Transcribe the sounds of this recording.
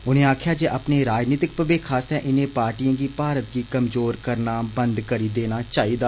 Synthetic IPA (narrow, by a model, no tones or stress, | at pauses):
ʊnẽːaːkʰjaːd͡ʒeːʔaːpneːɾaːd͡ʒniːt̪ɪk̚pəbeːkʰaːst̪ɛ̃ʔɪnẽːpaːɾʈijãːɡiːpaːɾət̪ɡiːkəmzoːɾkəɾnaːbənd̪kəɾiːd̪eːnaːt͡ʃaːiːd̪aː